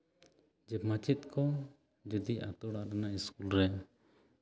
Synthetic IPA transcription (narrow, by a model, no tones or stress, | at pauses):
d͡ʒɛmat͡ʃit̪̚kʰɔ | d͡ʒɛd̪iʔa̰t̪ɔɽaʔɾɛnaiskulɾɛ